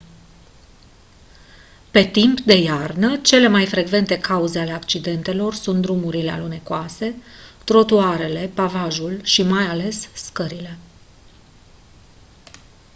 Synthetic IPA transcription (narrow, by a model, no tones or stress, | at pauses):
pe̞t̪impd̪e̞jarnət͡ʃe̞le̞majfɾe̞ɡve̞nt̪e̞kauze̞ale̞akt͡ʃid̪e̞nt̪e̞lo̞rsunt̪̚d̪ɾumuɾilea̰lune̞koase̞t̪ɾo̞t̪uaɾe̞le̞pavaʒulʃimajale̞sːkəɾile̞